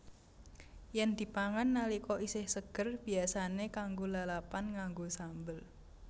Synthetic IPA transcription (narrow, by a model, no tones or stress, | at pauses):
jɛnd̪̥i̤paŋanːalikɔʔisɪhsəɡ̥ə̤rb̥i̤asanekaŋɡolalapanŋaŋɡosambəl